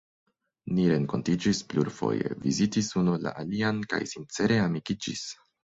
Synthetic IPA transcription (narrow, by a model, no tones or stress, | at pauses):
niɾe̞ŋko̞̰ntid͡ʒispluɾfo̞̰je̞̰vizitisunola̰ʔalianka̰jsint͡se̞ɾe̞amikid͡ʒḭs